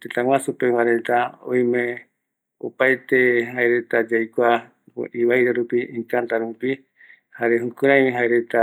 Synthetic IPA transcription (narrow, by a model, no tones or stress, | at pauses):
t̪et̪ãŋwãsupewaɾe̞t̪aõ̰jmẽ | o̰paet̪eɦaeɾe̞t̪ad͡ʒajkʷa̰ | ʔiβajɾeɾupiʔĩŋkant̪aɾupi | haɾeɦũkuɾãj̃mĩɦaeɾe̞t̪a